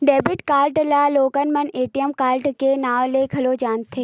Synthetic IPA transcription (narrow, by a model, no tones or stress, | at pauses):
ɖeːbɪʈkaːlʈlaloːkənmɐneːʈijəmkaːlʈkenaːʋlekʰɐlod͡ʒaːnt̪ʰeː